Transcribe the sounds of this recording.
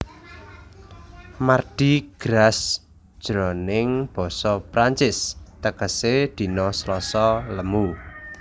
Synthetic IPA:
marɖ̪̥i̤ɡ̥ɾas | d̥ʒ̥ɾɔnɪŋb̥ɔ̤sɔpɾaɲt͡ʃɪst̪əkəsed̪̥i̤nɔslɔsɔləmu

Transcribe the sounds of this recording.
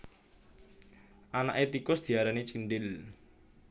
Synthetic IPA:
ʔana̰ʔet̪ikʊsd̪̥i̤aɾanit͡ʃinɖɪl

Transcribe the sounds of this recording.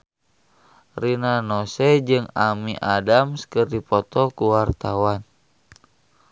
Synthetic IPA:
rinanɔsɛd͡ʒɨŋamiʔadamskərdipɔt̪ɔkuwart̪awan

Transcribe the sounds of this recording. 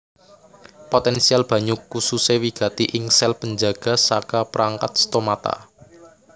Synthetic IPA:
pot̪ɛnsialb̥ä̤ɲukususewiɡ̥ä̤t̪iʔɪŋsɛlpəɲd͡ʒaɡ̥a̤sakapəɾaŋka̰t̪̚st̪omat̪a̰

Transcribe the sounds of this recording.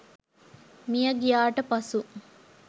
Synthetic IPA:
mijəɡijaːʈəpɐsu

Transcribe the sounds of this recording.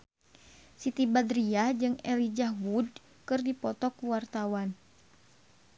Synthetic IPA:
sit̪ibad̪ɾiad͡ʒɨŋɛlid͡ʒawud̚ | kɨrdipɔt̪ɔkuwart̪awan

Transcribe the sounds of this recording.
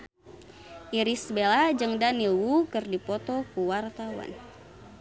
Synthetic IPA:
ʔiɾisbelad͡ʒɨŋdanilwukɨrdipɔt̪ɔkuwart̪awa̰n

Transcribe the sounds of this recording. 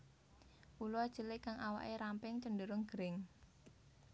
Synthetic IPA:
uluad̥ʒ̥əlɪkːaŋʔawa̰ʔeɾampɪŋt͡ʃəndəɾʊŋɡ̥əɾɪŋ

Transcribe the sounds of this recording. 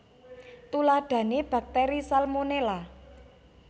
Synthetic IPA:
t̪ulaɖ̥ä̤neb̥ä̤k̚t̪eɾisalmonela

